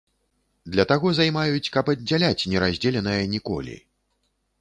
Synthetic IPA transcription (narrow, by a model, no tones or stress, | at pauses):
d̪lʲɐt̪aɣɔzajmajut͡sʲkɐpɐdʲːalʲat͡sʲnʲɛɾazʲd͡zʲɛlʲɛnɐjɐnʲikɔ̰lʲḭ